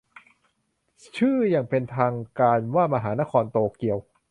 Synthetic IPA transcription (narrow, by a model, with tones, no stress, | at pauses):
t͡ɕʰɯː˥˩jaː˨˩ŋpe˧nt̪ʰaː˧ŋkaː˧nwaː˥˩ma˧ɦaː˩˦na˥˩kʰɔː˧nt̪oː˧ki˧əw